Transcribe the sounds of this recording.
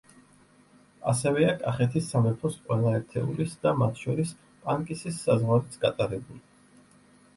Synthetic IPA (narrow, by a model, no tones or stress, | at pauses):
a̰sɛvɛakʼaχɛt̪ʰisːamɛpʰɔsqʼwɛlˠaɛɾt̪ʰɛ̰ulisd̪amat̪ʰʃɔɾis | pʼaŋkʼisisːazʁwaɾɛt̪sʰɡat̪ʼaɾɛbuli